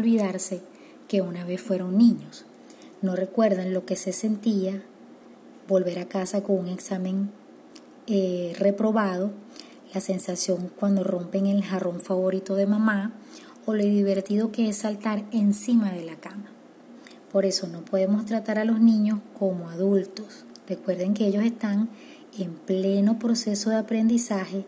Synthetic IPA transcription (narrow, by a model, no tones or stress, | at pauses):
olβiðaɾse̞ | ke̞unaβ̞e̞sfwe̞ɾo̞ŋnĩɲo̞s | no̞re̞kwe̞ɾðanlo̞ke̞se̞se̞nt̪ia | bo̞lβe̞ɾakasakoŋuŋe̞ksamẽ̞ŋ | ere̞pɾo̞βað̞o̞ | lase̞nsasjo̞ŋkwand̪oro̞mpe̞ŋe̞lharo̞ɱfaβo̞ɾit̪o̞ðe̞mãma | olo̞id̪iβ̞e̞ɾt̪iðo̞ke̞esːalt̪aɾe̞nsimaðe̞lakama | po̞ɾe̞so̞no̞po̞ðe̞mo̞st̪ɾat̪aɾalo̞znĩɲo̞sko̞moaðult̪o̞s | re̞kwe̞ɾðe̞ŋke̞eʝo̞se̞st̪aŋ | emple̞no̞pɾo̞se̞so̞ðe̞apɾe̞nd̪isahe̞